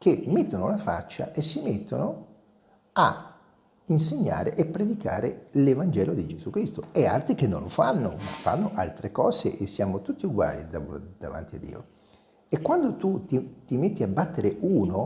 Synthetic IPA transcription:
k̟emːet̪ːonolafa̰t͡ʃːa̰ʔesːimet̪ːono | a | inseɲːa̰ːɾeʔepːɾed̪ika̰ːɾelevand͡ʒɛːlod̪id͡ʒezukɾist̪oɛa̰lt̪ɾikenːo̰nlofanːo̰ma̰fːa̰nːoʔalt̪ɾekɔːzḛʔesːjaːmot̪ut̪ːiuɡwa̰ːlḭd̪ad̪̥ava̰nt̪iad̪ːḭːo̰ | ekːwand̪ot̪ut̪it̪imet̪ːiabːat̪ːeɾeuːno

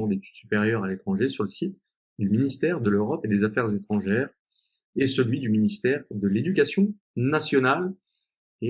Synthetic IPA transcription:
d̪et̪yd̪̥sypeʁjœʁalet̪χɑ̃ʒesyʁləsit̪ | d̪yminist̪ɛʁd̪əløʁɔped̪ezafɛʁzet̪χɑ̃ʒɛʁ | esəlɥid̪yminist̪ɛʁd̪əled̪ykʲasjɔ̃ | nasjɔnal | e

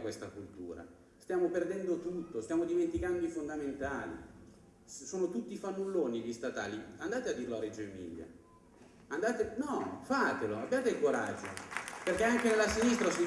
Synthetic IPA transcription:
kwest̪akult̪ṵːɾa̰ | st̪jaːmoperd̪ɛnd̪ot̪ut̪ːost̪jaːmod̪iment̪ikand̪oifond̪ament̪aːlḭ | soːnot̪ut̪ːifamːulːoːnid̪ist̪at̪a̰ːliand̪aːt̪ead̪ːirloared͡ʒoemḭːlja̰ | and̪aːt̪enɔfat̪eloabːjaːt̪ekoɾa̰d͡ʒːo̰perk̟eaŋk̟enelːasinist̪ɾasi

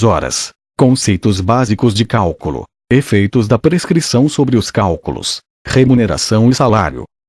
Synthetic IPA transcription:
zɔɾɐ̰s | kõsejt̪ʊzbazikʊzd͡ʒɪkawkulʊ̰ | efejt̪ʊzd̪ɐpɾeskɾisɐ̃w̃sobɾɪʊskawkulʊ̰s | hemuneɾa̰sɐ̃w̃ɪsala̰ɾjʊ̰

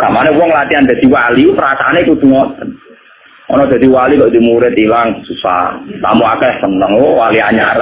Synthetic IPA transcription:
ka̰ʔmanɛwɔŋlat̪iand̪̥a̤d̪̥i̤walipəɾasaanekud̪uŋɔt̪ | ɔnɔd̪̥a̤d̪iwalikɔʔd̪i̤muɾɪt̪ilaŋsusa̰t̪a̰muakɛhsənːəŋwɔwaliaɲaɾa

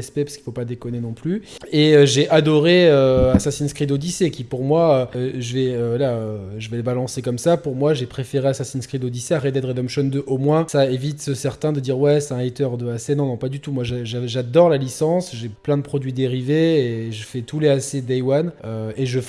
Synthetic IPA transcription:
ɛspɛpḁskilfopad̪ekɔnenɔ̃plyeøʒeʔad̪ɔʁeøasasinskχid̪od̪isekʲipuʁmwaøʒəvɛøvwalaøʒəvɛləbalɑ̃sekɔmsapuʁmwaʒepχefeʁeasasinskχid̪od̪iseaʁɛd̪ɛd̪ʁɛd̪ɔmʃɔnd̪øʔomwɛ̃saevit̪əsɛʁt̪ɛ̃d̪əd̪iʁwɛsɛ̥t̪ɛ̃at̪œʁd̪əasenɔ̃nɔ̃pad̪yt̪umwaʒaʒaʒad̪ɔʁlalisɑ̃sʒeplɛ̃d̪əpχɔd̪ɥid̪eʁiveːʒəfɛt̪uleased̪ajwanøeʒə

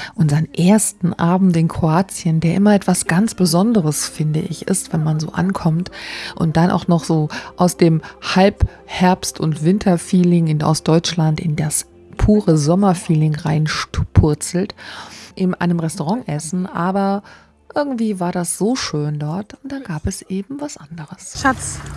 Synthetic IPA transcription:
ʔʊnzɐənʔeːɐstn̩ʔaːbm̩tɪnkʁ̥oaːt͡sjəndeːɐʔɪmɐʔɛtv̥asɡ̥ant͡sb̥əzɔndəʁəsfɪndəʔɪ̰çɪ̰stv̥ɛnmanzoːʔa̰nkʰɔmtʔʊ̰nt̚d̥anʔa̰ʊxnɔχz̥oːʔaʊsd̥eːmhalp | hɛɐpstʊntv̥ɪntʰɐfiːlɪŋɪna̰ʊsd̥ɔʏt͡ʃlantɪndas | pʰuːʁəzɔmɐfiːlɪŋʁaɪnʃtpʰʊɐt͡sl̩tʔɪnmnʔa̰ɪnəmʁɛstoʁɑŋʔɛsn̩ʔaːbɐ | ʔɪɐɡŋ̩tv̥iːvaːɐɾasz̥oːʃøːndɔɐtʊnt̚d̥anɡaːpɛsʔeːbm̩vasʔandəʁəsʃat͡s

